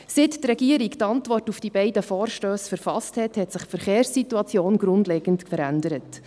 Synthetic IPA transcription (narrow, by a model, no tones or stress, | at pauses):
sittrɛɡ̥iəɾiktɑntʋɔrtufd̥ibɛɪdəfoːɾʃtøːsfəɾfɑsthɛthɛtsɪχfəɾχeːɾsːituɑt͡sjoːnɡɾʊndlɛːɡ̥əntkfəɾændəɾət